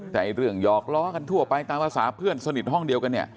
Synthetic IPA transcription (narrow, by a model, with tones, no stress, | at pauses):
t̪ɛː˨˩ʔa˧jɾɯ˧˩əŋjɔː˨˩k̚lɔː˦˥ka˧nt̪ʰu˥˩ɐpa˧jt̪aː˧ŋpʰaː˧sa̰ː˩˦pʰɯ˥˩ənsa˧ni˨˩ɦɔ˥˩ŋdi˧əwka˧nːi˥˩ə